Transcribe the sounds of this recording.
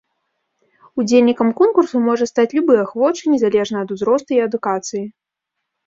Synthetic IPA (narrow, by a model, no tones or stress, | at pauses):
ud͡zʲelʲnʲikɐmkɔnkursumɔʐɐst̪at͡sʲlʲubɨjɐxvɔt͡ʂɨnʲɛzalʲɛʐnɐɐd̪uzɾɔst̪uiɐd̪ukat̪sɨji